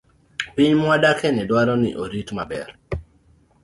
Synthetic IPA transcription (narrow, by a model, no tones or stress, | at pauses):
piɲmwadakʰɛnɪdwaɾɔnɪ̰ʔoɾitmabɛ̰r